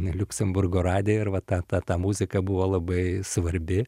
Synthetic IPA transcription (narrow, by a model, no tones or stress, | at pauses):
lʲʊkʲsʲɛmbʊrɡoːɾɑːd̪ʲɪjɪɾʋɐt̪ɑːt̪ɑːt̪ɑːmuːzʲɪkɐbʊʋoːlˠɐbɐɪsʋɐɾʲbʲɪ